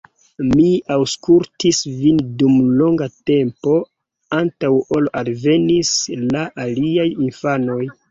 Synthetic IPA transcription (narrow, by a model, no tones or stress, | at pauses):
miawskultisvindumlo̞ŋɡate̞mpo̞ | antawolalve̞nislaʔaliajinfano̞j